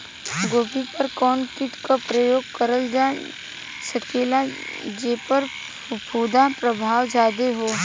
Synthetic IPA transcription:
ɡoːbʱipɐɾkɔːnkɪʈkapɾəjoːɡ̚kəɾəld͡ʒaː | səkeːlad͡ʒeːpəɾ | pʰuːd̪apɾəbʱaːwd͡ʒaːd̪eɦoː

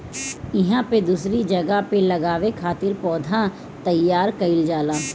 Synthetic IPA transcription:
ɪɦãped̪uːsɾid͡ʒɐɡapelɐɡaːʋekʰaːt̪ɪɾpɔːd̪ʱã | t̪ɐjːaːɾkəɪld͡ʒaːlaː

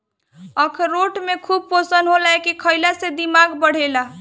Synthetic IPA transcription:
əkʰːoʈmekʰub̚posənɦolaekikʰəjlased̪imaɡbəɽ̤ela

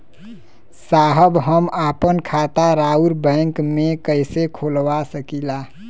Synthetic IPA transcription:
saɦəbɦəmapənkʰat̪aɾauɾbə̃ɪŋkmekəjsekʰolwasəkila

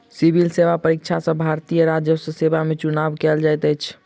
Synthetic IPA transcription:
sibʱilsebapəɾikt͡ʃʰasə̃bʱaɾt̪ijəɾad͡ʒjəsəsebamet͡ʃunabkɛld͡ʒajt̪əjt͡ʃʰ

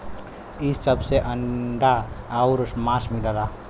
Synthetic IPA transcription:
isəbseʔəɳɖaːuɾsmasmilaɾa

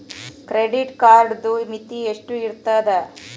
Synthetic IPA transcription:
kɾeɖiʈkaːɾɖd̪umit̪ieʂʈuiɾt̪ːɐd̪e

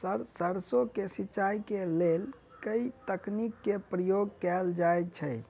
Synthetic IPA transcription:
səɾsəɾsokesitːt͡ʃajkelel | kəit̪əknikːepɾəjoɡkɛld͡ʒajt͡ʃʰəj

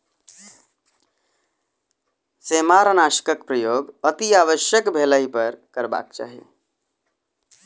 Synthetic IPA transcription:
semaɾənaʃə̥kəkpɾəjoːɡət̪iaːʋəʃjəkbʱeləipəɾkəɾba̰ːk̚t͡ʃa̰ːɦḛ

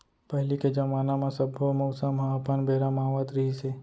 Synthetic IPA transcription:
pəɦliked͡ʒəmaːnamãsəbʱomɔʊsãmaapanbʱeɾamaːʋat̪ɾiɦise

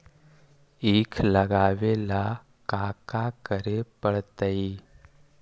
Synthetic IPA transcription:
iːkʰləɡaʋela | kakakəɾepəɭt̪əi

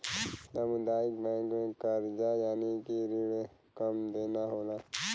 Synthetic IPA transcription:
samʊd̪aːɪk̚bɛ̃ːŋkmẽkəɾd͡ʒajaːnikiɾiɽe | kəmd̪eːnaɦoːlaː

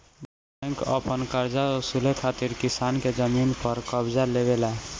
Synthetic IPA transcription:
b | ɛŋkə̰pənkəɾd͡ʒaosulekʰat̪iɾkisanked͡ʒəminpəɾkəbd͡ʒalebela

